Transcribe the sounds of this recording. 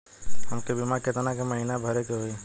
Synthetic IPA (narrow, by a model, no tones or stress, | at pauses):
ɦəmkebimaɾkɪt̪nakeməɦinabʱəɾekeɦoi